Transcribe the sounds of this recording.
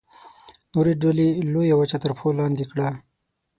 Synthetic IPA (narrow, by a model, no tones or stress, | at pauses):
noɾeɖolelojawət͡ʃat̪əɾpʰolɑnd̪ikɽa